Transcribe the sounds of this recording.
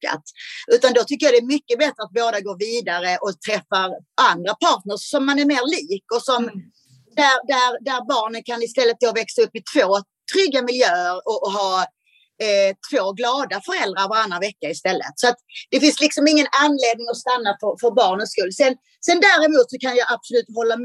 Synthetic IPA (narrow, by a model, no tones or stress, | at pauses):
a̰t̪ʉ̟ːt̪and̪ɔt̪ʰʏkːəjɑd̪ɛːɾmʏkːəbɛt̪ɾəat̪̚boːd̪aɡoːɾviːd̪aɾəʔɔt̪ʰɾɛfːaɾʔand̪ɾapʰɑːʈnəʂːɔmːanæɾmeːɾliːkɔsɔm | d̪æɾd̪æɾd̪æɾbɑːɳənkʰanɪst̪ɛlːət̪̚d̪oːvɛksaɵpːɪt̪ʰv̥oː | t̪ʰɾʏɡːamɪljœːəɾɔɦɑː | t̪ʰv̥oːɡlɑːd̪afœɾɛld̪ɾaɾvaɾanːɾavɛkːaɪst̪ɛlːə̰t̪sɔat̪d̪̥ɛfɪnslɪksɔmɪŋːənanleːd̪nɪŋɔst̪anːafœɾfœɾbɑːɳət̪skɵlːsɛn | sɛnd̪æːɾɛmuːt̪sɔkʰanjɑːʔab̥sʊlʉ̟ːt̪ɦɔlːa